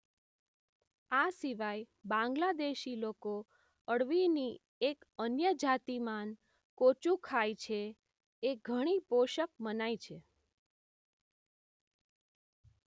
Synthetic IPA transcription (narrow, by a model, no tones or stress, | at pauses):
asiʋaj | bãŋɡlad̪eʃiloko | əɽʋini | ekənjəd͡ʒat̪iman | kot͡ʃũkʰajt͡ʃʰe | eɡʱəɽ̃ipoʃək̚mənajt͡ʃʰe